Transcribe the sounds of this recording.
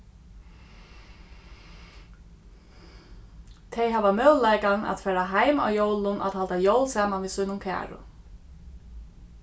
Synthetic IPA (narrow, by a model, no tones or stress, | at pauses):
t̪ʰɛjɦavamœːwlajkana̰t̪fɛːɾaɦajma̰wjowlʊnʔa̰t̪halt̪ajowlsaːmanʋiːsujnʊmkʰæ̰ːɹʊ̰